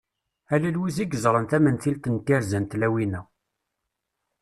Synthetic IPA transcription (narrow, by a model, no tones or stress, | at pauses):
ælælwiziɡəzˤɾˤənθæmənθilt̪ənt̪ːiɾzænt̪læwinæ